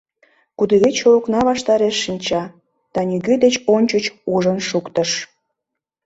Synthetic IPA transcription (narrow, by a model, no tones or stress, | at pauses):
kud̪eɣet͡ɕolknɑβɑʃt̪ɑɾeʃːinʲt͡ɕɑ | d̪̥ɑnʲyɣød̪et͡ɕonʲt͡ɕət͡ɕuʒənʃukt̪əʃ